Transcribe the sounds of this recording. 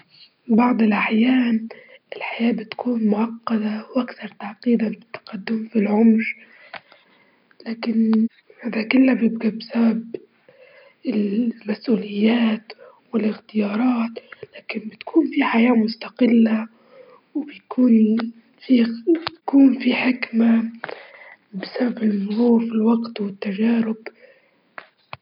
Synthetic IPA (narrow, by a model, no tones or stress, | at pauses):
bɑʕd̪ˤɪlʔaħjaːnɪlħajaːbɪt̪kʰuːnmʊʕɑqːɑd̪awʔakθɑɾˤt̪aʕqiːd̪abɪt̪ːḁqɑd̪ːʊmfilʕʊmɾ | laːkɪn | ʕɪd̪akɪlːabjɪb̚ɡabsabab | ɪlmasʔuːlɪjːaːt̪ | wɪlɪxt̪ɪjɑːɾˤɑːt̪laːkɪnbɪt̪kʰuːnfiħajaːmʊst̪aqɪlːa | wbɪjkʰuːn | fit̪kuːnfiħɪkma | bɪsababɪlmʊɾuːɾfilwɑɡt̪wɪt̪ːaʒaːɾʊb